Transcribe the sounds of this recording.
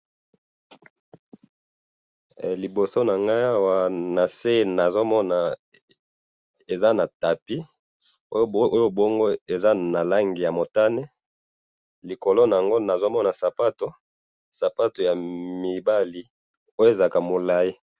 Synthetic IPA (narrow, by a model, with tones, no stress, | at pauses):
li˨bo˨so˦na˨ŋɡa˦ja˦wa˦na˨se˦na˨zo˦mɔ˦na˨ | e˨za˦na˨ta˨pi˦ | o˦o˦jo˦bo˦ŋɡo˦e˨za˦na˨la˦ŋɡi˨ja˨mo˨ta˦ne˦ | li˨ko˨lo˦na˨ja˨ŋɡo˦na˨zo˦mɔ˦na˨sa˨pa˦to˦ | sa˨pa˦to˨ja˨mi˨ba˦li˨ | o˦jo˦e˨za˨ka˨mo˨la˦ji˦